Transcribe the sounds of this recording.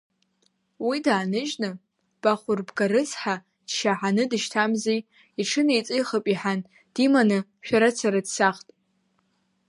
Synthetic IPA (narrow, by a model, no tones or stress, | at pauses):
widaːnɨʒnɨ | b̥aχʷʊrbɡaɾɨsħa | d̥ʃaħanɨdɨʃtʰamzej | iʈ͡ʂʰɨnejt͡sʼijχəpʼiħan | d̥imanɨʃᶣaɾat͡sʰaɾadsaχtʼ